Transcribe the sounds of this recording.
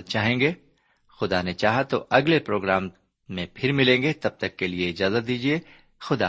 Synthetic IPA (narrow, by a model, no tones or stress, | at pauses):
t͡ʃaːɦẽːŋɡeː | xʊd̪anet͡ʃaːɦat̪oʔɐɡlepɾoːɡɾaːmː | ẽpʰɪɾmɪlẽːŋɡet̪ɐb̚t̪ɐkːelieɪd͡ʒaːzət̪̚d̪iːd͡ʒie | xʊd̪a̰